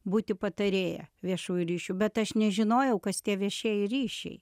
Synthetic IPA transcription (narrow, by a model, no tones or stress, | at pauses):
buːt̪ʲɪpɐt̪ɐɾʲeːjɛ̰ʋʲiɛʃuːjuɾʲiːʃʲubʲɛt̪ɐʃnʲɛʒʲɪnoːjɛʊkɐst̪ʲiɛʋʲiɛʃʲeːjɪɾʲiːʃʲɛ̰ɪ